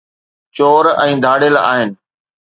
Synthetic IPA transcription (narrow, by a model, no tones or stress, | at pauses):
t͡ɕoːɾɛ̃ːd̪ʱaːɽəla̰ːɦɪnɪ̆